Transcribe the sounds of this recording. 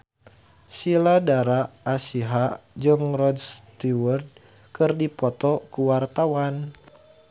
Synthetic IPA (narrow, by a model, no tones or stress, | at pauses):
siladaɾaːsiɦad͡ʒɨŋrɔdst̪iwərd̚ | kɨrdipɔt̪ɔkuwart̪awan